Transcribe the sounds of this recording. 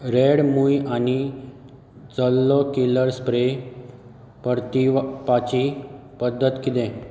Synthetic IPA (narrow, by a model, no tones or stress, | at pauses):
ɾeɽmujani | d͡zəlːɔkiləɾspɾe | pəɾt̪ipat͡ɕipəd̪ːət̪kit̪ẽ